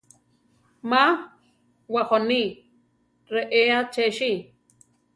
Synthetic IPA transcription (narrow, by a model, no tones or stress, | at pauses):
ma | waχoni | ɾeʔeat͡ʃeʃi